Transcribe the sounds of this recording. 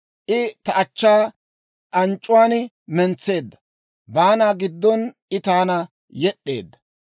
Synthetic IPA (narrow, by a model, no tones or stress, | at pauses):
ʔɪt̪ɐɐt͡ʃːaː | ʔɐnt͡ʃʼːʊwaːnɪ | mɛnt͡sːe̞ːd̪ːɐ | baːnaːɡɪd̪ːɔnʔɪt̪aːnɐ | jɛɗːe̞̰ːd̪ːɐ̥